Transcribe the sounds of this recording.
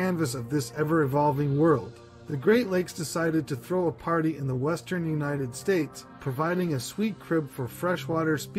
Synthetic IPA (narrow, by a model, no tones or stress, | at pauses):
æ̃nvɨsʌvðɪsɛvə˞ɨvɑlˠvɪ̃ŋwɜ˞lˠd̚ | ðɨɡɹeɪʔˡleɪksd̥ɨsaɪɾɨd̚tʰɨθɹoʊəpʰɑɹɾiɨ̃nðəwɛstə̃˞njʉnaɪɾɨd̥steɪtspʰɹ̥ɨvaɪɾɪ̃ŋɨswit̚kʰɹ̥ɪb̥fə˞fɹɛʃwɔɾə˞sp